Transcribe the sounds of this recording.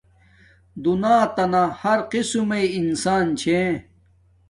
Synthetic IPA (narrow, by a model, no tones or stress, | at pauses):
d̪unaːt̪ɐnahɐɾqisumeiinsaːnt͡ɕʰẽ